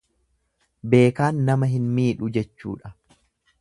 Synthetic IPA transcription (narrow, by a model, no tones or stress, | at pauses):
be̞ːkaːnːɐmɐɦɪnmiːᶑʊd͡ʒɛt͡ʃːṵːᶑɐ̥